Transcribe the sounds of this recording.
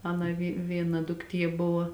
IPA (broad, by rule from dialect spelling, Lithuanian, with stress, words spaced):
ˈɑːnɐ ʋʲɪ ˈʋʲiɛnɐ dʊkˈtʲiɛ ˈbʊʋɐ